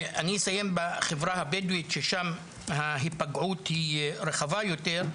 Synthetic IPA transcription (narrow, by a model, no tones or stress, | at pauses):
anisajembaχevʁahabeduitʃeʃam | haɦipaɡʕuthiʁeχavajoteʁ